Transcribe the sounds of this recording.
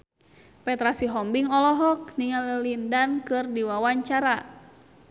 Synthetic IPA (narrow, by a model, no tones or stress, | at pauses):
pɛt̪ɾasiɦɔmbiŋɔlɔɦɔk̚niŋaləlindankɨrdiwawaɲt͡ʃaɾa